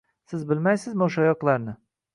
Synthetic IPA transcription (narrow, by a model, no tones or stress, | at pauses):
sɪzbɪlmajsɪzmuʃajɒqlˠaɾnɪ